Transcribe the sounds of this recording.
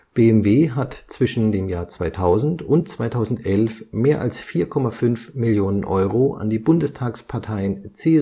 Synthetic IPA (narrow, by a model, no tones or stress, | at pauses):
b̥eːɛmveːɦatt͡sv̥ɪʃn̩deːmjaːɐt͡sv̥aɪtʰaʊzn̩tʊntt͡sv̥aɪtʰaʊzn̩tʔɛlfmeːɐʔa̰lsfiːɐkʰɔmafʏnfmɪljoːnənʔɔʏʁoa̰ndiːbʊndəstʰaːkspʰaɐtʰaɪənt͡seː